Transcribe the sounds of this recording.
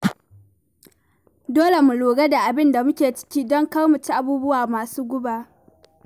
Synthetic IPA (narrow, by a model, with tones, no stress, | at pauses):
doː˦le˨mu˨loː˨ɡa˦da˨ʔa˨bɪ˦nda˨mʊ˦kʲeː˨t͡ʃɪ̥˦kʲiː˦dɔ˦ŋka˦mu˨t͡ʃi˦ʔa˦˨buː˦bʊ˦waː˨maː˨suː˦ɡʷʊ˦baː˨